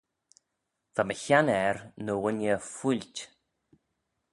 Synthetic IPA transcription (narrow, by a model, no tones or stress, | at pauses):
ðaməçanɛɾnəwɪnjəfulʲtʲ